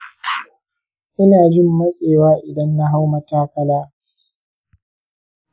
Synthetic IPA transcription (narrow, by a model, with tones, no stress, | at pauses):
ʔɪ˦naː˨d͡ʒɪ˦mːɐ˦sʼeː˨waː˦ʔɪ˨dɐ˦nːa˦ɦa˦wmɐ˨taː˦kɐ˦laː˦